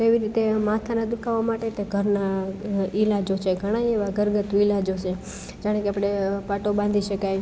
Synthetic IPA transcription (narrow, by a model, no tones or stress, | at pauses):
t̪oeʋiɾit̪emat̪ʰanad̪ukʰaʋamaʈet̪eɡʱəɾna | ilad͡ʒot͡ʃʰeɡʱəɽ̃aeʋaɡəɾɡət̪ʋilad͡ʒot͡ʃʰe | d͡ʒaɽ̃ekeapɽ̃epaʈobãnd̪ʱiʃəkaj